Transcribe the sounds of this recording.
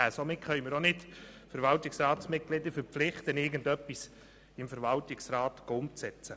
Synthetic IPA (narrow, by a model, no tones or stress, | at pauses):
æːsomɪtχœʏməɾonɪtfəɾʋɑltɪksrɑːtsmɪt̚ɡ̥lɪd̪əfəɾpflɪχt̪ənɪɡəndœpːis | ɪmfəɾʋɑltɪksrɑːt̪ɡ̥oʊmt͡sɛt͡sə